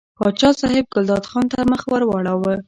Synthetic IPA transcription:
pɑt͡ʃɑsɑhɪb̚ɡʊld̪ɑd̪xɑnt̪əɾməxwəɾwɑɽawə

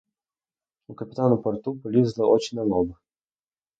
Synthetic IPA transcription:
ukəpʲit̪anʊpɔrt̪uplʲizd̪ˠəʔɔt͡ɕɪnʲɐnɔbə

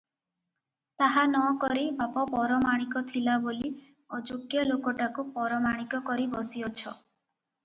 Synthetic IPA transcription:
t̪aɦanɔkɔɾibapɔpɔɾɔmaɽ̃ikɔt̪ʰilaboli | ɔd͡ʒukjɔlokɔʈakupɔɾɔmaɽ̃ikɔkɔɾibɔsiɔt͡ʃʰɔ

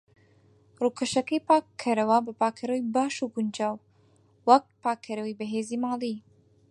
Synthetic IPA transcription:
rukʰɐʃɐkɐjpaːkʰːɐɾɐwɐbɐpaːkʰːɐɾɐwibaːʃuɡʊnd͡ʒaːwː | ɐk̪̚pʰaːkʰːɐɾɐwibɐɦeːzimaːlˠi

